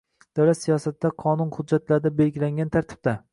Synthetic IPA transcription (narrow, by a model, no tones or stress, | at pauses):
d̪̥awlat̪sijɒsat̪ːd̪aqʰɒnʊnhʊd̪̚d͡ʒːat̪laɾd̪abe̞lɡʲɪlaŋɡʲant̪ʰaɾt̪ʰɪ̥b̥̚d̪a